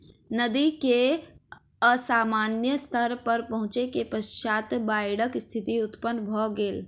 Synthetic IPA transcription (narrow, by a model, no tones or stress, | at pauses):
nəd̪ike | əsaːmaːnjəst̪ʰəɾpɐɾpɐɦʊ̃t͡ʃekepəsʃaːt̪baːɪɽəkst̪ʰɪt̪iʊt̪pənbʱɔːɡeːl